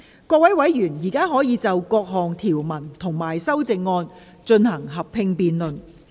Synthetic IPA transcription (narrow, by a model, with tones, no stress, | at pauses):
kɔː˧k̚wɐ˨˥jwɐ˨˥jːyː˨˩njiː˨˩kaː˥ɦɔː˨˥jiː˨˧t͡sɐ˨wkɔː˧k̚ɦɔː˨ŋt̪ʰiː˨˩wmɐ˨˩nt̪ʰʊ˨˩ŋmaː˨˩jsɐ˥wt͡sɪ˨˧ŋːɔː˧n | t͡ʃɵ˧nhɐ˨˩ŋɦɐ˨p̚pʰɪ˧ŋpiː˨nlɵ˨n